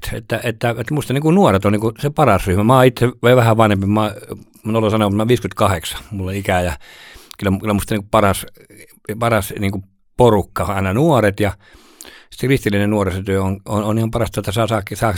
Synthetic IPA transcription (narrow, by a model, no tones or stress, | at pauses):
t̪ḛt̪ːæet̪ːæet̪must̪ɑniːkunuoret̪oniŋkusepɑrɑsryhmæmɑːit̪ːeʋoiʋæhæʋɑnhempimɑː | nolːosɑnoɑt̪mɑʋiːskymet̪kɑheksɑ̥mulːeikæjɑkylːækylːæmust̪ɑniŋkuppɑrɑs | pɑrɑsniːŋku | porukːɑoɑˑenɑnuoret̪jɑ | ssekrist̪ilːˑinennuoreset̪yøonononihɑmpɑrɑst̪ɑet̪ːæsɑːsɑːkːsɑːk